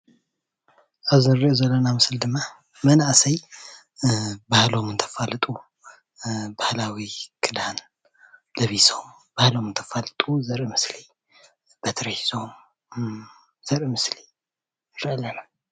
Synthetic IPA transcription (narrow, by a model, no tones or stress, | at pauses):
ʔaβzɨɾiʔozɐlːonamɨsɨld̪ɨmːa | mɐnaʔsɐj | bahlo̞mɨnt̪ʰɐ̥falɨt̪ʼu | bahlawikʰʼɨd̪an | lɐβiso̞m | b̥ahlo̞mɨnt̪ʰɐfalɨt̪ʼuzɐɾʔimɨsli | b̥ɐt̪ʰɾɐhiso̞m | z̥ɐɾʔimɨsli | ɾʔɨlɐnɐm